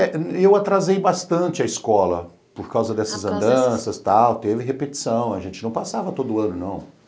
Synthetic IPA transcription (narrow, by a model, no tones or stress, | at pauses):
ɛewat̪ɾazejbast̪ɐ̃nt͡ʃɪɐiskɔlɐ̰ | poɾkawzɐd̪ɛsɐzɐ̃nd̪ɐ̃sɐst̪awt̪evɪɦepet͡ʃi̥sɐ̃w̃ɐʒẽnt͡ʃɪnɐ̃w̃pasavɐt̪od̪ʊɐ̃nʊnɐ̰̃w̃